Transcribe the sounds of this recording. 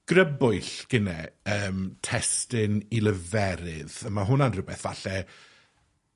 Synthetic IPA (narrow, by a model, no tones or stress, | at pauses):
ɡ̥rəbʊjɬɡ̥ɪnɛ̰əːmtʰɛstɪnilˠəvɛɾɪðəmaɦʊnanrəbɛθvaɬɛ